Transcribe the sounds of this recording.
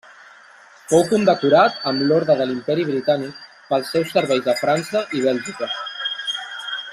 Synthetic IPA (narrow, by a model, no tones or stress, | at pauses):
fowkund̪əkuɾat̪əmlɔɾðɾəðəlimpɛɾiβɾit̪anik̚ | pəlˠsːɛwsːəɾβɛjzðəfɾansəʔiβ̞ɛlˠʒikə